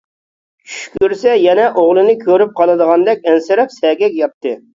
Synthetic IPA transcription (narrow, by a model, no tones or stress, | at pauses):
t͡ʃʰy̥ʃkʲyɾsɛjɛnɛʔoʁlˠɨnɨkʲʰøɾyp̚qʰɑlˠɨd̪əʁɑnd̪ɛkʲɛnsɪɾɛpsɛɡʲɛkʲjɑpt̪ʰːɨ